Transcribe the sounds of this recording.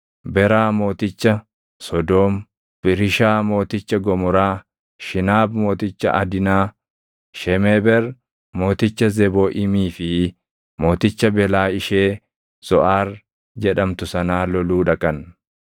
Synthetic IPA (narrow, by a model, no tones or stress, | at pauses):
bɛɾaːmo̞ːt̪ɪt͡ʃːɐ | sɔd̪oːm | pɪɾɪʃaːmo̞ːt̪ɪt͡ʃːɐɡɔmɔɾaː | ʃɪnaːbmo̞ːt̪ɪt͡ʃːɐ̰ʔɐd̪ɪnaː | ʃɛmeːbɛɾ | mo̞ːt̪ɪt͡ʃːɐzɛboːʔɪmiːfɪ | mo̞ːt̪ɪt͡ʃːɐbɛlaːɪʃeː | sɔʔaːr | d͡ʒɛᶑɐmt̪ʊsɐnaːlɔluːᶑɐkʼɐn